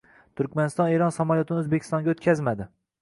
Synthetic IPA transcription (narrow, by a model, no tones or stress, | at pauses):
t̪ʰʊɾkʲmanɪst̪ɒneɾɒnsamaljot̪ʰɪnɪozbekʰʲɪ̥st̪ɒŋɡʲaot̪kʲʰazmad̪ɪ